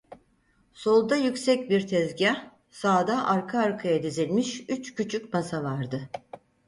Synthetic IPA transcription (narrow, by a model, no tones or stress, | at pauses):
so̞lˠd̪ajycʲsɛc̚biɾt̪ʰɛzɟa | saːd̪aʔaɾkʰaːɾkʰajad̪izilʲmiʃyt͡ʃcʰyt͡ʃʰycmasavaɾd̪ɯ